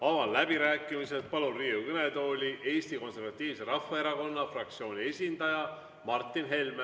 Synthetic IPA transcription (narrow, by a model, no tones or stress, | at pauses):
ɑvɑllæbiɾæːkːˑimiset̪̚pɑlunriːukønet̪o̞ːlʲiʔe̞ːst̪iko̞nse̞rɾvɑt̪ˑːiːvse̞ɾɑfːɑe̞ɾɑko̞nːɑfrɑk̚t̪sio̞ːnʲie̞sʲind̪ɑjɑ | mɑrt̪ˑːinɦe̞lm